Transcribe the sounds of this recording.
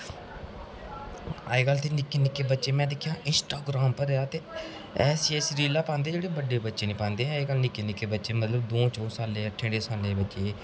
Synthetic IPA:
a̰ːeːkəlt̪eːnɪkːeːnɪkːeːbətːʃeːmɛ̃ːd̪eːkʰjãːʔɪnsʈaːɡɾaːmpəɾaːt̪eː | ɛːsiɛːsɾiːlaːpãːnd̪eːd͡ʒeːɽeːbəɖeːbətːʃeːnĩːpãːnd̪eːɦɛ̃eːkəlnɪkːeːnɪkːeːbətːʃeːmət̪ləbd̪oːt͡ʃɔːsaːleːəʈʰːẽːɽeːsaːleːbətːʃeː

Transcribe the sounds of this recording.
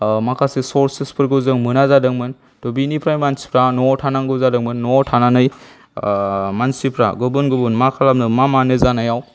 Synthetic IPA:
makʰasesoɾsispʰɯɾɡɯwzɯŋmɯnazadɯŋmɯn | tɔbinipʰɾajmansi̥pʰɾanɔtʰanaŋɡɯwzadɯŋmɯnːɔtʰananɯj | mansipʰɾa̰ɡɯbunɡɯbunmakʰalamnɯmamanɯzanajaw

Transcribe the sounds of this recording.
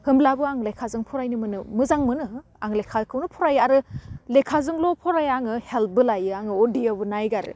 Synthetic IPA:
hɯmlabɯaŋlekʰazɯŋpʰɔɾajnɯmɯnɯmɯzaŋmɯnɯ | aŋlekʰalkʰɯwnɯpʰɔɾajaɾɯlekʰazɯŋlɔpʰɔɾajaŋɯhel̚bɯlajɯaŋɯodiabɯnajɡaɾɯ̰

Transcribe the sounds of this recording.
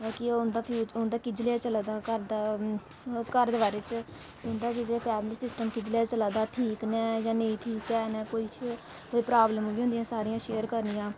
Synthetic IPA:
kɪʊnd̪aːpʰjuːt͡ʃʊnd̪aːkɪd͡ʒleaːt͡ʃəlaːd̪aːkəɾd̪aː | kəɾd̪ʋaːɾeːt͡ʃ | ʊnd̪aːkɪd͡ʒlaːpʰɛːmliːsɪsʈəmkɪd͡ʒleaːt͡ʃəlaːd̪aːʈʰiːknɛːjãːneĩːʈʰiːkɛːnɛːkoːiːt͡ʃʰ | koːiːpɾaːbləmʋiːɦʊ̃nd̪jãːsaːɾijãːʃeːəɾkəɾnijãː

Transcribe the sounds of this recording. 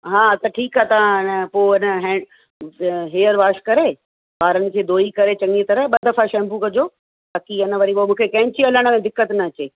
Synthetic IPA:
ɦãːt̪ɐʈʰiːkaːt̪ɐãɪnəpoːɪnəɦɛ̃ː | ɦeːəɾʋaːʃkɐɾe | baːɾənɪ̆kʰeːd̪oːikɐɾet͡ɕɐ̃ŋit̪ɐɾəɦɓɐd̪ɐfaʃɛ̃ːmbukɐd͡ʑo | baːkiɪnə̆ʋɐɾiomũːkʰekɐ̃ɦɪ̃ɲt͡ɕiɐləɽ̃mẽd̪ɪkːət̪nɐːt͡ɕeː

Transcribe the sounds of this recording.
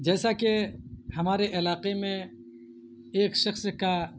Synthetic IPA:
d͡ʒɛːsakehɐmaːɾeʔɪlaːqemẽ | eːkʃɐxska

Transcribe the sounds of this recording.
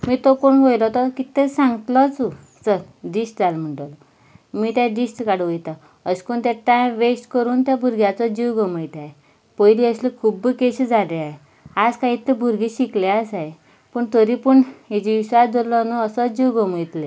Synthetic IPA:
miːt̪okoɳʋʱojlɔt̪ɔkit̪esãŋɡt̪lɔt͡su | səɾ | ɖisʈd͡zalm̤əɳʈəlɔ | miːt̪jaɖisʈkaɽʋəjt̪a | əskoɳt̪aʈãjʋesʈkəɾuːnt̪jabʱuɾɡjat͡sɔd͡ʑiwɡəməjt̪aɦe | pəjliəslekʰubkeɕid͡zaleaɦe | ad͡zkaɦit̪ːebʱuɾɡiɕikleasaɦe | pəɳt̪əɾipəɳɦid͡ʑiʋiɕad͡zʱollɔnuəsɔd͡ʑiwɡəməjt̪le

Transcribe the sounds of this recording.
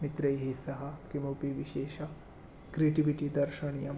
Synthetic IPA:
mit̪ɾɐjɦisɐɦɐkimoːpiʋiʃeːʃɐ | kɾiːʈiʋiʈid̪ɐɾʃɐɳijɐm

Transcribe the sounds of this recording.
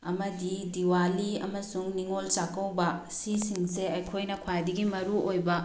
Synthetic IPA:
ɐmɐdidiwaliɐ̰mɐsuŋniŋolt͡ʃakɐwbɐ | sisiŋseɐjkʰojnɐkʰwajdɐɡimɐɾuʔojbɐ

